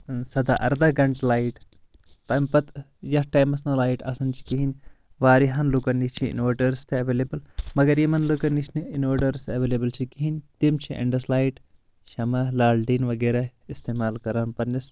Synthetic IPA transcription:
sɐd̪a̰ʔɐ̰ɾd̪ɐɡɐɳʈlaːiʈ | t̪ɐmpɐt̪ | jɐhʈaːjmɐsnɐlaːiʈɐ̰sɐnt͡ʃʰi̥kiɦinʲ | ʋaːɾiɦɐnlukɐnːit͡ʃʰiḭnoːɾɖɐɾst̪ʰeɐʋeleːbɨlmɐɡɐɾjimɐnlukɐnit͡ʃʰniinoːɾɖɐɾsɐʋeːlebɐlt͡ʃʰikiɦinʲt̪imt͡ʃʰiʔɐ̰ɳɖɐslaːjiʈ | ʃɐmɐlaːlɖiːnʋɐɡeːɾaist̪eːmaːlkɐɾaːnpɐɾnis

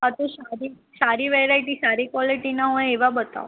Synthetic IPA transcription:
ɦat̪osaɾi | saɾiʋeɾaiʈisaɾikʋɔliʈinaɦojeʋabət̪a̰w

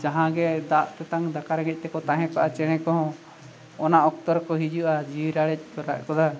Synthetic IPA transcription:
d͡ʒaɦãɡɛd̪aʔt̪ɛt̪aŋd̪akaɾɡɛc̚ˀt̪ɛkɔt̪aɦɛ̃kaʔat͡ʃɛɽ̃ɛkɔɦɔ̃ | ɔnaʔɔk̚t̪ɔɾkɔɦid͡ʒuʔad͡ʒiɾaɽɛc̚kɔɾa̰ʔkɔd̪a

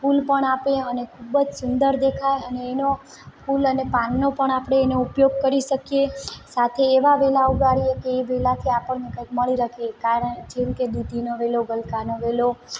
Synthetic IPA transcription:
pulpəɳapeənekʰubəd͡ʒsʊnd̪əɾd̪ekʰaeəneːno | pʰulənepanːopəɳapɽ̃eːnoupjoɡ̚kəɾiʃəkjesat̪ʰeːʋaʋelauɡaɽiekeːʋelat̪ʰiapəɳnekə̃jkməɭiɾəkʰekaɾəɳd͡ʒemked̪id̪ʱinoʋeloɡəlkanoʋelo

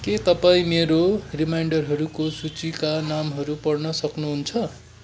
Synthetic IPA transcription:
ket̪ʌpaĩmeɾorimajɳɖʌrɦʌɾukosut͡sikanamɦʌɾupʌrnʌsʌknuɦunt͡sʰʌ

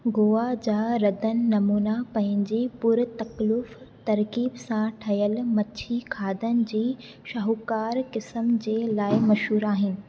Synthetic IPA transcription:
ɡoːad͡ʑaːɾɐd̪ənɪ̆nɐmuːnapɐ̃ɦɪ̃ɲ̆d͡ʑipʊɾt̪ɐklʊft̪ɐɾkiːbsãʈʰɐjəlmɐt͡ɕʰikʰaːd̪ənɪ̆d͡ʑiː | ʃɐɦukaːɾkɪsəmd͡ʑeːlaːɪmɐʃɦuːɾaːɦɪnɪ̆

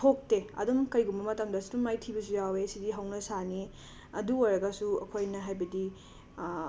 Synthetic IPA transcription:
tʰok̚teɐ̰dumkɐjɡumbɐmɐtamdɐsi̥tumːajtʰibɐsujawesidiɦɐwnɐsani | ɐduojɾɐɡɐsuɐ̰kʰojnɐɦajbɐdi

